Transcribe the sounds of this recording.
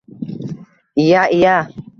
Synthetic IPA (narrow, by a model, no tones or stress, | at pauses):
ijaːʔijaː